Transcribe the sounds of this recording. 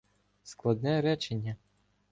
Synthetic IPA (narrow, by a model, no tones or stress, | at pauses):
sklˠɐd̪nɛɾɛt͡ʃenʲːɐ